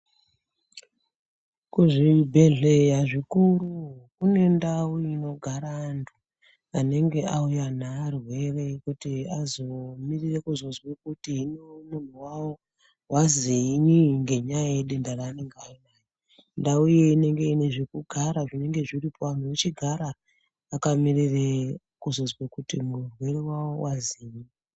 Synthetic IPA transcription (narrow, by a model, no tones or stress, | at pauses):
kuʐibʱe̞ɮe̞jaʐikurukune̞ndauino̞ɡʱaɾaːntʰu | ane̞ŋɡe̞aujan̤aːrwe̞re̞ikutiazo̞mirire̞kuzo̞zwekutiɦinemun̤uwawo | waziiɲiŋɡe̞ɲajajeɗendaɾaːne̞ŋɡainaːjo | ndaujeine̞ŋɡe̞ine̞ʐekuɡʱaɾaʐine̞ŋɡe̞ʐiripʰoan̤uut͡ʃiɡʱaɾaː | kamirire | kuzo̞zwakutimurwe̞rewawo̞waziɲi